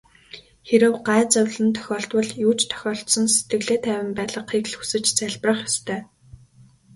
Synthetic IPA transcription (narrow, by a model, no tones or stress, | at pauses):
xeɾɘ̆wɢaːt͡sœwʲɮə̆nt̪ʰœ̥xʲɔːɬt̪wə̆ɮjuːt͡ɕt̪ʰœ̥xʲɔːɬt̪sɞ̆nse̥t̪ɡɘ̆ɣɮeːt̪ʰæːwʲɪ̆mpæːɮə̆qχikɮxu̥sɘ̆t͡ɕt͡sæɮprə̆χjɔst̪ʰœː